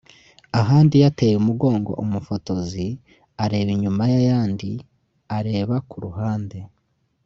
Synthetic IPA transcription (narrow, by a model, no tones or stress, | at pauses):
aɦaːndijate̞jumuɡo̞ːŋɡo̞̰ʔumufo̞to̞zi | aɾe̞ːβiɲumajajaːndi | aɾe̞ːβakuɾuɦaːnde̞